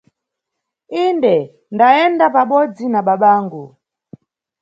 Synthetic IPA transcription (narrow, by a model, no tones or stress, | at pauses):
indɛ | ndaɛndapaɓɔd͡zinaɓaɓaːŋɡu